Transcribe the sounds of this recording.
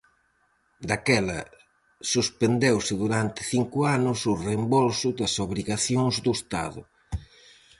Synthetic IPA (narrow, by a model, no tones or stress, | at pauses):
d̪akɛlɐ̰ | suspend̪ewsɪðuɾant̪ɪ̥θiŋkʊanʊsʊrembolsʊðɐsoβɾiɣaθjoŋzd̪ʊst̪a̰ðʊ̰